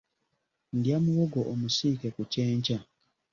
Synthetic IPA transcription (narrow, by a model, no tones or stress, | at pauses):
ndjamuwoɡoʔomusiːkekuceːɲca